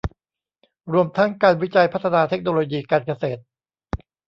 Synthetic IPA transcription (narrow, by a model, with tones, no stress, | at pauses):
ɾu˧əmt̪ʰa˦˥ŋkaː˧nwi˦˥t͡ɕa˧jpʰa˦˥t̪ʰːa˧naː˧t̪ʰe˦˥k̚noː˧loː˧jiː˧kaː˧nka˧seː˨˩t̪̚